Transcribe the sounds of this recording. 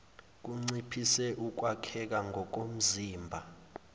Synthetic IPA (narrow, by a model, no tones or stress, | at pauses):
k̬uŋ͡ǀipʰisɛʔuk̬wakʰɛk̬aŋʱɔk̬om̩ziːmbʱa